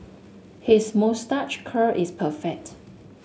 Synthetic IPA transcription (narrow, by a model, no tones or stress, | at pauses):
hismostat͡ʃkʰəʔɪspʰəfɛk̚t